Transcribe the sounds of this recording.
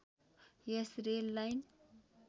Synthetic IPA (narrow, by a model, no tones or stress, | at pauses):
jesrelːajn